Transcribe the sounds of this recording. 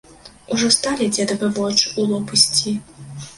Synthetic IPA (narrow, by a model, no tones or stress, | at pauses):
uʐɔst̪alʲɛd͡zʲɛd̪ɐvɨvɔt͡ʂɨulˠɔpɨsʲt͡sʲi